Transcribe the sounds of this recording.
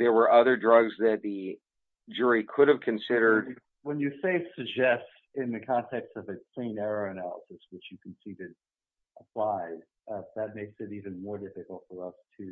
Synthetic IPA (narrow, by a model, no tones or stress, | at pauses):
ðə˞wə˞ʔʌðə˞dɹʌɡzðɨt̪̚ðɨ | d͡ʒʊɹikʰʊɾɨv̥kʰɨ̃nsɪɾə˞d̚ | wə̃njɨseɪsɨɡ̚d͡ʒɛst | ɪ̃nðɨkʰɑ̃ntʰɛkstʌvɨkʰl̥ĩnɛɹoʊɨnælˠə̰sɨswɨt͡ʃjɨkʰn̩siɾɨd | ʔəpʰl̥aɪd | ðɨt̚meɪksɨɾivɨ̃nmɔɹdɪfɨkl̩ˠtfə˞ʌstʰɨ